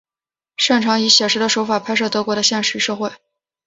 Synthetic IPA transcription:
ʂa˥˩ŋʈ͡ʂʰɑ˧˥ŋi˧˥ɕjɛ˨˩ʂɻ̩˧˥d̪ə˧ʂo˧˥ʊfa˨˩pʰa˥ɪʂɤ˥˩t̪ɤ˧˥kwɔ˧˥ɾə˧ɕjɛ˥˧nʂɻy˧˥ʂɤ˥˧xwe˥˩ɪ

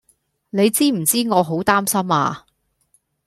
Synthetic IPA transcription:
ne˨˧jt͡siː˥m̩˨˩t͡siː˥ŋɔː˨˧ɦo˨˥wt̪aː˥msɐ˥maː˧

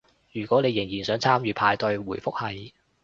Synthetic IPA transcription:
jyː˨˩kʷɔː˨˥ne˨˧jɪ˨˩ŋjiː˨˩nsœː˨˥ŋt͡sʰaː˥mjyː˨˧pʰaː˧jt̪ɵ˧ɥwuː˨˩jfʊ˥k̚hɐ˨j

